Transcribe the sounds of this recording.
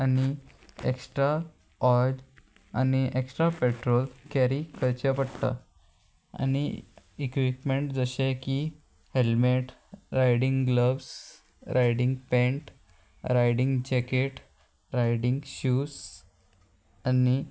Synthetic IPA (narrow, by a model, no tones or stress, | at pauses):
ani | ḛksʈɾa | ɔl | aniʔeksʈɾapeʈɾolkæɾikʰəɾt͡ɕəpəɽt̪a̰ | a̰ni | ekʋipmeɳʈd͡zəɕeki | helmeʈ | ɾajɽiŋɡɡləbs | ɾʔajɽiŋɡpẽɳʈ | ɾajɽiŋɡd͡ʑɛkeʈ | ɾajɽiŋɡɕuːs | ani